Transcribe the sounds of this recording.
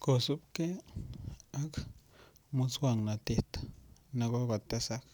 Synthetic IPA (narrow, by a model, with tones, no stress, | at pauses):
ko˨su˦pke˦ | a˦k | mu˦t͡swa˦˨ŋna˨t̪e˦t̪na˧ɡo˦ɡa˨t̪a˦sa˦k